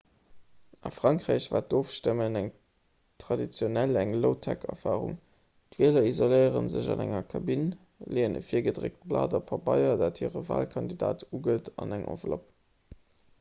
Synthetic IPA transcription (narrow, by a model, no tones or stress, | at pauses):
ʔɑfʁ̥ɑŋkʁeːɕvaːt̚d̥oːfʃtəmənæŋ | tʁɑdit͡sjonælæŋloʊtʰækʰɛfaːʁʊ̰ŋ | tviəlɐizoləɪəʁənzəʑɑnæŋɐkʰɑbin | leːənə̰fiːɐɡədʁek̚t̚blaːdɑpʰɑbɑɪɐdaːthiːʁəva̰ːlkʰɑndidaːtʰuɡətʰɑnæŋʔo̰vlop̚